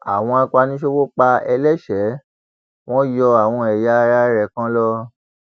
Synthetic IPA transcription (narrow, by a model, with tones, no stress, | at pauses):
a̰˨w̃ɔ̃˧a˧kʷa˧nĩ˦ʃe˧˦wo˦k͡pa˧ɛ˧lɛ˦˨ʃɛ˨˦ | w̃ɔ̃˦jɔ˧a˨w̃ɔ̃˧ɛ˨ja˧˦˧a˧˦ɾɛ˨kã˦lɔ˧